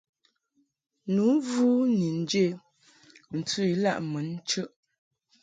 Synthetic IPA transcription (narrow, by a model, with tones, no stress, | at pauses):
nu˨˦vu˦ni˨n̩˨d͡ʒe˦˨ | n̩˨tʉ˦i˨˦la̰˦˨ʔmə˨˦n˦t͡ʃə˦ʔ